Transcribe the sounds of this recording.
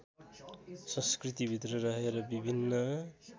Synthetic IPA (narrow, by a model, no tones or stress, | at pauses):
sʌ̃skrit̪ibʱit̪rʌrʌɦeɾʌbibʱinːʌ